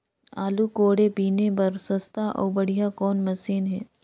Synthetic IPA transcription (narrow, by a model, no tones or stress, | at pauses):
aːlukoːɽepiːnepɐɾsɐst̪ʰaʔɔ̰ːɾbɐɽ̤ijakɔːnmɐsiːnɦɛː